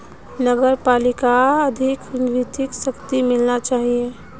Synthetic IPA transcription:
nəɡəɾpaːlɪkaəd̪ʱɪkʊnɾit̪ɪksəkt̪imɪlnat͡ʃaːɦie

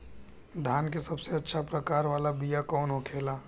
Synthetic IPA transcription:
d̪ʱaːnk̬esɐbseɐtːʃʰapɾəkaːɾʋaːlabijakɔːnɦokʰeːlaː

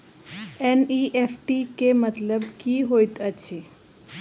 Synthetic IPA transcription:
eniʔefʈikemət̪ləbkiɦojt̪əʃʰe

